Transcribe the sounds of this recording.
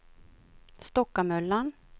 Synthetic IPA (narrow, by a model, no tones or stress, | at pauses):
st̪ɔkːamœlːan